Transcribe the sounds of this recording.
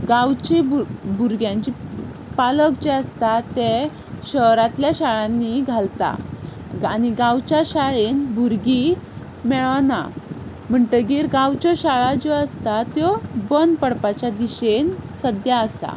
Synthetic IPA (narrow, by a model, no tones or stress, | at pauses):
ɡãwt͡ɕebuɾɡjãɲt͡ɕi | paləkd͡ʑeəst̪at̪e | ɕəɾat̪ljaɕaɭãnːiɡʱalt̪a̰ | añiɡãwt͡ɕjaɕaɭenbuɾɡi | mɛɭna̰ | m̤əɳʈəɡiːɾɡãwt͡ɕɔɕaɭad͡zɔəst̪at̪jɔbənpəɽpat͡ɕad̪iɕensəd̪jaəsa̰